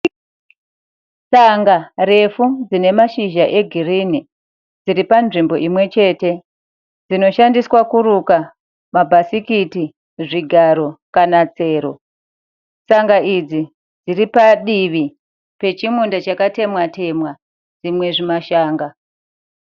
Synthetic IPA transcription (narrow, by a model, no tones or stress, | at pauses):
t͡saŋɡare̞fud͡zine̞maʃiʒaʔe̞ɡʱirini | d͡ziɾipanʐimbo̞ʔimwe̞t͡ʃe̞ːte̞ | d͡zino̞ʃandiswakuɾuka | mabʱasikiti | ʐiɡʱaɾo̞kanat͡se̞ːɾo̞ | t͡saŋɡaʔid͡zi | d͡ziripaɗiʋi | pe̞t͡ʃimundat͡ʃakate̞mwate̞mwa | d͡zimwe̞ʐimaʃaːŋɡa